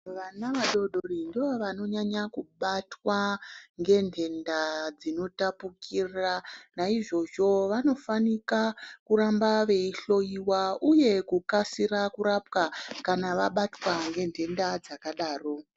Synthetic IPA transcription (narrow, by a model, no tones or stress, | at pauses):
ʋanaʋaɗo̞ɗorindiʋo̞ʋano̞ɲaɲakuɓatwaŋɡe̞ndʰʱe̞ndad͡zino̞tapukʰiranaiʐo̞ʐo̞ʋano̞fanikakuɾambaʋe̞iɬo̞iwauje̞kukasirakuɾapkakanaʋaɓatwaŋɡe̞ndʱe̞ndad͡zakaɗaːro̞